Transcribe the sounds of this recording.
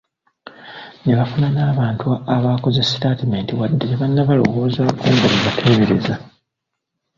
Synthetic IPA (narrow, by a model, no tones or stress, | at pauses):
neβafunanaːβaːntuaaβaːkozesi̥taːtime̞ːntiwadːeeβanːaβalo̞̰wo̞ːzakuːndamuβatʰe̞ːβeɾeza